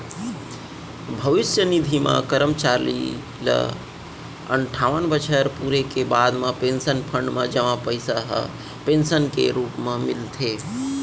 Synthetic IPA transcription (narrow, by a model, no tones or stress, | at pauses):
bʱəʋɪsjənid̪ʱimã̰kəɾəmt͡ʃaɾlḭ | lə̰ | ə̰ɳʈʰaːʋənbət͡ʃʰəɾpuɾekebad̪mãpẽnsənpʰəɳɖmãd͡ʒəmapəjsaɦə̰ | pensənkḛɾuːpmãmilt̪ʰe